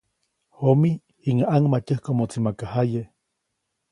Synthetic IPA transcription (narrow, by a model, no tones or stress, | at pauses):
homi | iŋaʔaŋmatəhkomot͡simakahaje